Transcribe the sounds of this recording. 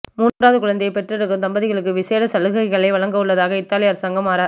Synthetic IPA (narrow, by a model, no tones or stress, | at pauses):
muːraːðɯkʊɻɐnd̪ɛjɐɪpɛʈrɪɾɯkːɯmt̪ɐmbɐðɪɣɐɭɯkːɯʋɪseːɾɐsɐlɯɣɐɪɣɐɭɐɪʋɐɭɐŋɡɐɯɭːɐðaːɣɐɪt̪ːaːlɪjaːɾsaːŋɡɐmaːɾɐ